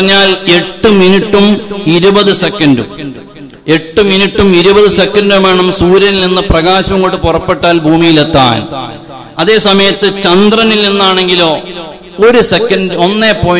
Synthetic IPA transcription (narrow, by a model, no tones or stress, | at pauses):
ɲːaːle̞ʈːɨminiʈːumiɾubɐðɨsekːɐnɖu | e̞ʈːuminiʈːumiɾubɐðɨse̞kːɐnɖume̞ːɳɐmsuːɾjɐnilninːɨprɐɣaːɕɐŋkuʈːɨpurɐpːe̞ʈːaːlbʱuːmijilet̪ːa̰ːl | ɐðe̞ːsɐmɐjɐt̪ːɨt͡ɕɐnd̪rɐnilninːaːɳe̞ŋɡilo̞ː | oɾusekːɐnɖo̞nːe̞ːpo̞ː